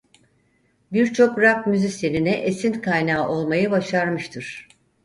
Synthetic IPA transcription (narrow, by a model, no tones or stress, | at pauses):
biɾt͡ʃʰo̞kɾak̚myzisjeninɛʔesinkʰajnaːʔo̞lˠmajɯbaʃaɾmɯʃt̪ʰɯɾ̥